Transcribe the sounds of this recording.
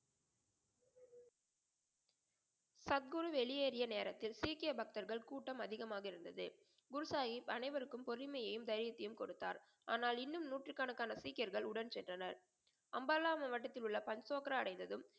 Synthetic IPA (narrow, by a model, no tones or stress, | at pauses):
sɐt̪̚ɡɯɾɯʋɛɭɪjeːɾɪjɐneːɾɐt̪ːɪlsiːkɪjɐbɐk̚t̪ɐɾɣɐɭkuːʈːɐmɐðɪɣɐmaːɣɐɪɾɯnd̪ɐðɯ̰ | ɡʊɾɯsaːɣipɐnɐɪʋɐɾɯkːɯmpɔɾɪmɐjɐjɯmd̪ɐɪɾɪjɐt̪ːɪjɯmkɔɽɯt̪ːa̰ːɾ | a̰ːnaːlɪnːɯmnuːʈrɯkːaːɳɯkːaːnɐsiːkɪjɐɾɣɐɭʊɽɐnt͡ʃɛndrɐnɐɾ | ɐmbɐːlaːmɐʋɐʈːɐt̪ːɪlʊɭːɐpɐnsoːkɐɾɐɐɽɐɪnd̪ɐðɯm